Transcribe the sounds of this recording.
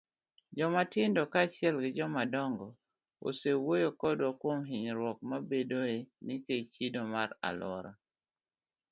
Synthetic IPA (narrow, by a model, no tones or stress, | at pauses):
d͡ʒɔmatɪndɔkat͡ʃɪɛlɡɪd͡ʒɔmadɔŋɡɔ | o̰sewojokɔdwɔkwomɦɪɲɾwɔk̚mabedoenɪket͡ʃidomaɾa̰lwɔ̰ɾɔ